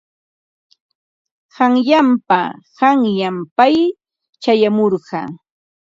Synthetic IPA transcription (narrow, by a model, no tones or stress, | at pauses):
ɢɑŋʎampaɢɑŋjampaj | t͡ʃajamoɾɢɑ̰ː